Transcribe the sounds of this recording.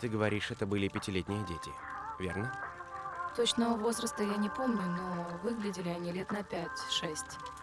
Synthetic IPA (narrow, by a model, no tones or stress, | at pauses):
t̪ɨɡəvɐɾʲiʂɛt̪əbɨlʲɪpʲɪtʲɪlʲet̪ʲnʲɪjədʲetʲɪ̰ | vʲḛrnə | t̪o̞t͡ɕnəvəvo̞zɾəst̪əjanʲɪpo̞mnʲʊno̞vɨɡlʲɪdʲɪlʲɪɐnʲilʲet̪nɐpʲætʲʂɛsʲtʲ